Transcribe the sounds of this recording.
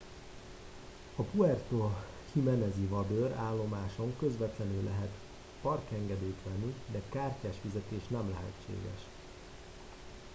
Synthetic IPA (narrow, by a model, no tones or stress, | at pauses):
ɒpuɛrt̪o | himɛnɛzivɒb̪øɾaːlːo̞maːʃo̞ŋkøzʋɛt̪lɛnylʔɛ̰ɦɛt̪ | pɒrkɛŋɡɛd̪eːjt̪ʋɛnːid̪ɛkaːrcaːʃfizɛt̪eːʃnɛmlɛɦɛ̰t͡ʃːḛːɡɛ̰ʃ